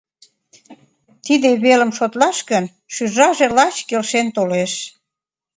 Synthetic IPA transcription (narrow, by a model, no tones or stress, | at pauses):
t̪id̪eβeləmʃot̪lɑʃkən | ʃyʒɑʒelɑt͡ɕkelʃent̪oleʃ